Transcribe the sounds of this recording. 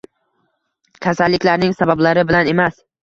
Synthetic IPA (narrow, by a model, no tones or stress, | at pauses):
kʲʰasalːɪkʲlaɾnɪŋsabablaɾɪbɪlane̞mas